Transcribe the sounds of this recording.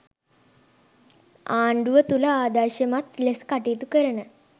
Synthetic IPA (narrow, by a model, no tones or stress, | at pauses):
aːɳɖuʋət̪ulaaːd̪aʃemat̪leskaʈiːt̪ukəɾənə